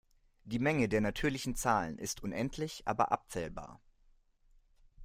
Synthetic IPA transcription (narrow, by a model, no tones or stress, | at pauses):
d̥iːmɛŋədeːɐnatʰyːɐlɪçn̩t͡saːlə̰nʔɪstʰʔʊnʔɛntʰlɪçʔa̰ːbɐ̰ʔa̰p̚t͡sɛːlba̰ːɐ